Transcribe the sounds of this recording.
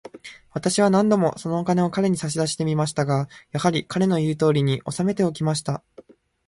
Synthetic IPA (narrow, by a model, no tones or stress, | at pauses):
βat̪aɕiβ̞anãnd̪o̞mo̞so̞no̞okane̞o̞kaɾe̞ɲ̟isaɕid̪aɕi̥t̪e̞mʲimaɕi̥t̪aɡajahaɾʲikaɾe̞no̞jɯːt̪o̞ːɾʲiɲ̟iʔo̞same̞t̪e̞o̞kʲimaɕi̥t̪a